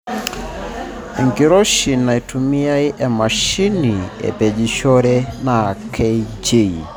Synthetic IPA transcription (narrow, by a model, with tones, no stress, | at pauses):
e˨ŋɡi˨ɾo˦ʃi˨na˨i˨tʰu˨mi˦a˦ɪ˦ʔɛ˨ma˨ʃi˦ni˨ḛ˨bɛ˨d͡ʒi˨ʃɔ˦ɾɛ˦na˨kʰɛ˦d͡ʒe˦˨i˨